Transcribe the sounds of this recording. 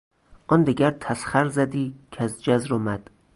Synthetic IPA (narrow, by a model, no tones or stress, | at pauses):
ʔɒnd̪iɡʲæɾt̪ʰæsχæɾzæd̪iːkʰæzd͡ʒæzɾomæd̪̥